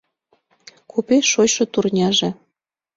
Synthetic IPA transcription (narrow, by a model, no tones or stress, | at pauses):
kʰupeʃot͡ɕʃɤ̆t̪urnʲɑʒĕ